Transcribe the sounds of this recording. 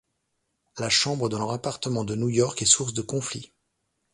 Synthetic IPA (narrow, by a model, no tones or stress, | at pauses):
laʃɑ̃bʁəd̪ɑ̃lɔʁapaʁt̪əmɑ̃d̪ənujɔʁkɛsuʁs̬d̪əkɔ̃fli